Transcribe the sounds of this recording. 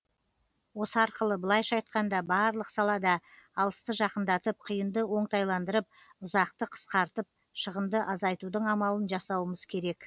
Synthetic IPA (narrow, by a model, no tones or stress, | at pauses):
wo̞səɑɾqəlˠəbəlˠɑjʃɑjt̪̚qɑnd̪ɑbɑɾlˠəqsɑlˠɑd̪ɑːlˠəst̪əʒɑqənd̪ɑt̪əp̚qʰijənd̪əwo̞ɴt̪ɑjlˠɑnd̪əɾəp̚ | ʊzɑqt̪əqʰə̥sqɑɾt̪əp̚ | ʃəʁəmd̪əʔɑzɑjt̪ud̪əɴɑmɑlˠənʒɑsɑwəməz̥kʲʰe̞ɾe̞k